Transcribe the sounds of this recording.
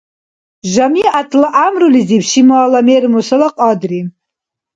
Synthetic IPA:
ʒʷamiʔatʰlaʔamrulizipʰʃimaalamejrmusalaqʼadri

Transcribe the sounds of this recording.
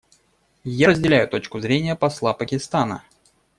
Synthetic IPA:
jaɾəzʲdʲɪlʲæjʊt̪o̞t͡ɕkʊzɾʲenʲɪjəpɐslˠapəkʲɪst̪anə̰

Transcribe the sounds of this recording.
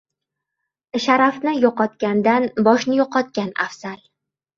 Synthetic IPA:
ʃaɾafnɪjɒqɒt̪kʲand̪anbɒʃnɪjɒqɒt̪̚kʲana̰fz̥al

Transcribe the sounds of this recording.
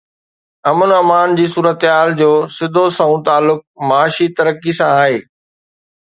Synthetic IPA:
ɐmənɐmaːnd͡ʑiːsuːɾət̪ɦaːld͡ʑoːsɪd̪ʱosãũt̪aːlːʊk̚maːʃit̪ɐɾəkisãaːɦeː

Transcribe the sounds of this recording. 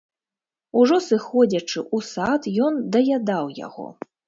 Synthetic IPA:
uʐɔsɨxɔd͡zʲɐt͡ʂɨʔusat̪jɔnd̪ɐjʲad̪awja̰ɣɔ̰

